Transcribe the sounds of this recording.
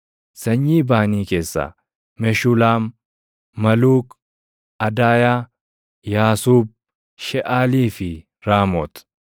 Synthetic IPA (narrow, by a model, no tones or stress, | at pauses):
sɐɲːiːbaːniːke̞ːsːa̰ː | mɛʃʊlaːmː | ɐluːk | ɐd̪aːjaː | jaːsuːb̚ | ʃɛʔaːliːfɪ | ɾaːmɔːt̪